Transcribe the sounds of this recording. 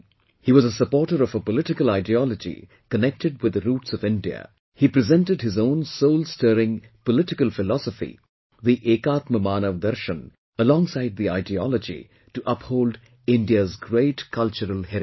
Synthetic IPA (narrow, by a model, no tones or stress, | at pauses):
hiːwʌzəsəpɔɾʈəɾʌvəpəlɪʈɪkəlaɪdiɔlɔd͡ʒḭ | kənɛk̚tɨɖ̚wɨd̪əɾuːʈsʌvɪ̃ndiə̰ | hipɾɨzɛ̃ntɨdɦɪzõʊ̃nsoʊlˠstəːɾɪ̃ŋ | pəlɪʈɪkəlˠfɪlɔsəfḭ | ðiʔeːkaːt̪məmaːnəʋd̪ɐɾʃə̃n | əlɔ̃ːŋsaɪd̪̚ðiaɪdiɔ̰ləd͡ʒḭ | tuʔʌphoːld | ɪ̃nɖiəzɡɾeɪʈkʰʌlˠt͡ʃəɾəlˠhɛɾ